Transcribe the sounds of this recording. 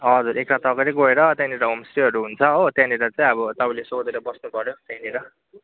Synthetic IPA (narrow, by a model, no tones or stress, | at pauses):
ɦʌd͡zuɾekʈat̪ʌɡʌɾiɡoeɾʌt̪jãniɾʌɦomsɾiɦʌɾuɦunt͡sʰʌot̪jãniɾʌt͡saĩʌbʌt̪ʌbailesod̪eɾʌbʌsnupʌɾjot̪janiɾʌ